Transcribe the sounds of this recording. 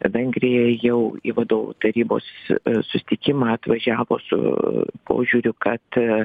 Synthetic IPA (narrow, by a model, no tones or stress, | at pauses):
ʋʲɛŋʲɡɾʲɪjɛjɛʊḭːʋɐd̪oːʋṵt̪ɐɾʲiːbo̰ːssʊsʲɪ̥t̪ʲɪkʲɪmɑːɐt̪ʋɐʒʲæːʋo̰ːsʊ̰pʰo̰ːʒʲuɾʲʊkɐt̪